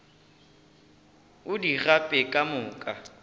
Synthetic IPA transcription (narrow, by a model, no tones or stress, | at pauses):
ʊdiɣapʼɛkʼamʊːkʼa